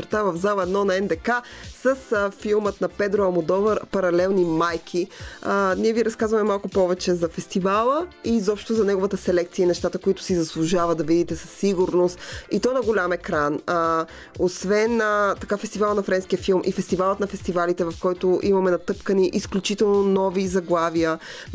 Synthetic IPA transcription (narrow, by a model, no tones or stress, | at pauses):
ɾt̪avɐvzalˠɛd̪nɔnɐɛnd̪ɛkasəsfilˠmət̪nɐpɛd̪ɾoɐmod̪ɔvəɾpɐɾɐlɛlˠnimajkʰi | niɛviɾɐskazvɐmɛmalˠkʊpɔvɛt͡ʃɛzɐfɛst̪ivalˠəizɔpʃt̪ʊzɐnɛɡovət̪əsɛlɛk̚t̪siəinɛʃt̪at̪əkoit̪ʊ̥sizɐslˠʊʒavɐd̪ɐvid̪it̪ɛsəsːiɡʊɾnost̪it̪ɔnɐɡolʲamɛkɾanə | osvɛnt̪ɐkafɛst̪ivalˠnɐfɾɛnskiəfilˠmʔḭfɛst̪ivalˠət̪nɐfɛst̪ivalit̪ɛvɐfkɔjt̪ʊʔimɐmɛnɐt̪ɤpkəniʔisklʲut͡ʃit̪ɛlˠnonɔvizɐɡlˠavijə